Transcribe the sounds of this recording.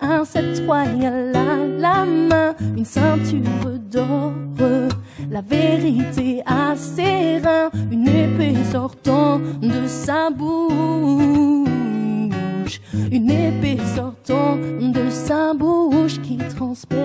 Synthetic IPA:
ɛ̃sɛt̪wajɛ̃lalamɛ̃ynsɛ̃t̪ʰyʁəd̪ɔʁəlaveʁit̪easeʁɛ̃ynepesɔʁt̪ɑ̃d̪əsabu | ʃynepesɔʁt̪ɑ̃d̪əsabuʃkʲit̪χɑ̃spɔ

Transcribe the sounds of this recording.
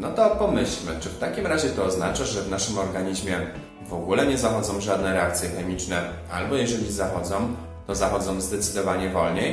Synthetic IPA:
nɔt̪ɔpɔmɘɕlmɘ̰t͡ʂɘft̪akʲimɾaʑɛt̪ɔːznat͡ʂaʐɛvnaʂɘmɔɾɡaɲiʑmʲjɛ | vɔɡulɛɲɛzaxɔd̪zɔ̃w̃ʐad̪nɛɾɛak̚t̪sʲjɛxɛmʲit͡ʂnɛ | albɔjɛʐɛlʲizaxɔd̪zɔ̃w̃ | t̪ɔzaxɔd̪zɔ̃w̃zd̪ɛt̪sɘd̪ɔvaɲɛvɔlɲej

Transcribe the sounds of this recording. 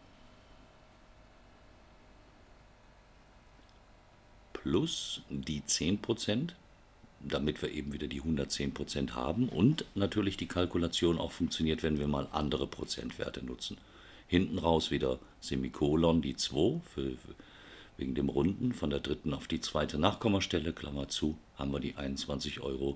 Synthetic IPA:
pʰlʊsd̥iːt͡seːnpʁ̥ot͡sɛnt | d̥amɪtv̥iːɐʔeːbm̩viːdɐdiːɦʊndɐtt͡seːnpʁ̥ot͡sɛntha̰ːbm̩ʔʊ̰ntnatʰyːɐlɪçd̥iːkʰalkulat͡sjoːna̰ʊxfʊŋk̚t͡sjoniːɐtv̥ɛnviːɐmaːlʔa̰ndəʁ̞əpʁ̥ot͡sɛ̰ntv̥ḛːɐtənʊt͡sn̩ | hɪntn̩ʁaʊsv̥iːdɐz̥emikʰoːlɔndiːt͡sv̥oːfyːɐ | vḛːɡŋ̩deːmʁʊndn̩fɔndeːɐdʁɪtn̩aʊfd̥iːt͡sv̥aɪtənaːχkʰɔmɐʃtɛləkʰl̥a̰mɐt͡suːha̰ːbm̩viːɐdiːʔaɪnʊnt͡sv̥ant͡sɪçʔɔ̰ʏʁo

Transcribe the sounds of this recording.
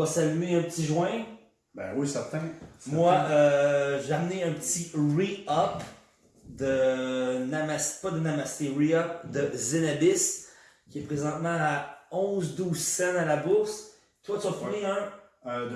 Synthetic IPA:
asalyeɛ̃pətt͡siʒwɛ̃ | bɛ̰̃wisɛʁt̪ɛ̃smwaøʒeamneœ̃pət̪iʁiɔp | d̪ə | namaspʌd̪ənamast̪eʁiɔp̚d̪əzenabɪs | kʲiɛpʁezɑ̃t̪mɑ̃aɔ̃zd̪uːzsɛnalabʊʁs | t̪wat̪əfunĩ

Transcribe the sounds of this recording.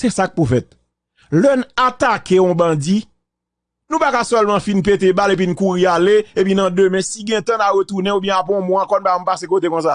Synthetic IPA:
sɛsak̚pufɛt̪̚ | lœnat̪akeɔ̃bãd͡zi | nũpakasœlmãfinpet̪ebalep̬inkuɣialeepinãd̪ømɛ̃siɡɛ̃t̪ãnaɣət̪unɛ̃ubjɛ̃ap̬ɔ̃mɔ̃ãkɔn̩bam̩pasekot̪ekɔ̃s̬a

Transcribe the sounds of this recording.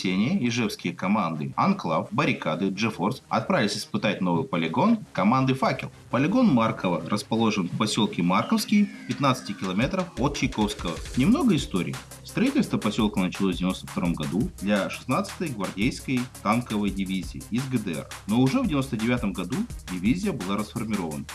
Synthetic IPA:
sʲenʲɪjəɪʐɛfskʲɪjəkɐmand̪ɨɐnklˠafbəɾʲɪkad̪ɨʐɛforsɐ̰t̪̚pɾavʲɪlʲɪsʲɪ̥spɨt̪at̚ʲno̞vɨjpəlʲɪɡo̞nkɐmand̪ɨfakʲɪ̰lˠpəlʲɪɡo̞nmarkʰəvərʔəspɐlˠo̞ʐɨnfpɐsʲolˠkʲɪmarkəfskʲɪjpʲɪt̪nat̪sɨ̥tʲɪkʲɪlˠɐmʲet̪ɾəfot̪̚t͡ɕɪjko̞fskəvənʲɪmno̞ɡəɪst̪oɾʲɪ̰j | fst̪ɾɐitʲɪlʲst̪vəpɐsʲo̞lˠkəvnət͡ɕɪlˠovdʲvʲɪnost̪əft̪ɐɾo̞mɡɐd̪ud̪lʲaʂɨ̥snat̪sɨ̥t̪əjɡvɐrdʲejskəjt̪ankəvəjdʲɪvʲizʲɪ̰ːɪzɡəd̪ɨɛ̰rno̞ʊʐɛvdʲɪvʲɪno̞st̪ədʲɪvʲat̪əmɡɐd̪udʲɪvʲizʲɪjəbɨlˠaɾəsfərmʲɪɾo̞və̰nə

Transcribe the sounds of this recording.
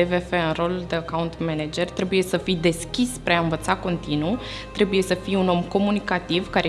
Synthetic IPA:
evefeɨnro̞lud̪eakaunt̪mened͡ʒe̞rt̪ɾe̞buje̞səfijd̪e̞skʲispɾeaɨnvət̪sako̞nt̪inu | t̪ɾe̞buje̞səfijuno̞mko̞munikat̪ivkaɾe

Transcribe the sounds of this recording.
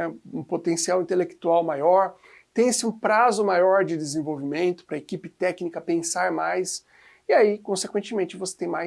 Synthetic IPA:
ɛũpot̪ẽsiawĩnt̪elekt̪uawmajɔɾ | t̪ẽj̃sɪũpɾazʊmajɔɾd͡ʒɪd̪ezẽvowvimẽnt̪ʊ̥pɾɐekipɪt̪ɛknikɐpẽsaɾmajs | iaikõsekwẽnt͡ʃɪmẽnt͡ʃɪvose̥t̪ẽj̃ma

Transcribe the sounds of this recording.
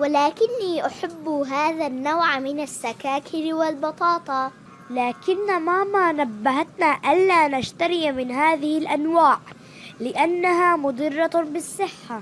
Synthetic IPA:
wɪlaːkɪnːiːʔaħabːɦaːðanːawʕmɪnasːakaːkʰɪɾwɪlbɑt̪ˤɑːt̪ˤɑ | laːkɪnːamamanabːaɦat̪naʔalːaːnaʃt̪aɾɪjmɪnɦaːðɪhɪlʔanwaːʕ | lɪʔanːaɦamʊd̪ˤɨrːɑbɪsˤːɪħːa

